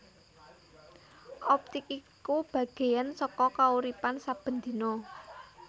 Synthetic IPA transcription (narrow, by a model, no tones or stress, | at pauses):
ʔɔp̚t̪ɪkikub̥ä̤ɡ̥e̤jansɔkɔkauɾipansab̥ə̤nd̪i̤no